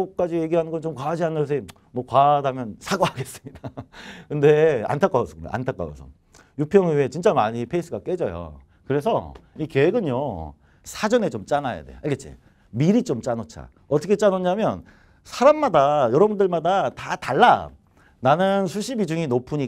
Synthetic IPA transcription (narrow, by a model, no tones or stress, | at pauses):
ʌk̚k͈ad͡ʑije̞ɡiɦanɯnŋɡʌnt͡ɕomkwad͡ʑianɯʌs̬ʰe | mwʌkwadamjʌnsʰaɡoɦaɡe̞s͈ɯmɲidakɯnde̞a̰ntʰak͈aosʰʌka̰ntʰak͈a̰o̰sʰʌ̰ | jupʰjʌŋiet͡ɕint͡ɕ͈amaɲipʰe̞is͈ʰɯɡak͈e̞d͡ʑʌjo̰ | kɯɾe̞s̬ʰʌ̰ike̞ɡɯnjo | sʰad͡ʑʌne̞t͡ɕomt͡ɕ͈anaja̰dejo̰ʔaɭɡet͡ɕ͈ḭ | miɾit͡ɕ͈omt͡ɕ͈anot͡ɕʰa̰ | ʌtʰʌkʰet͡ɕ͈anoɲamjʌn | sʰaɾamːadajʌɾʌbundɯɭmadatataɭːa | nanɯnsʰuɕʰibid͡ʑuŋinopʰuɲi